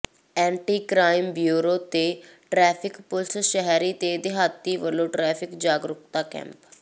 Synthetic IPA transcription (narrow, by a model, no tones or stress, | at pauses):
ɛ̃ːɳʈiːkɾaːɪmbjuːɾoːt̪eːʈɾɛːpʰɪkpʊlsʃəɦɾiːt̪eːd̪eɦaːt̪ːiːʋəlõːʈɾɛːpʰɪkd͡ʒaːɡɾʊkt̪aːkɛ̰̃ːmp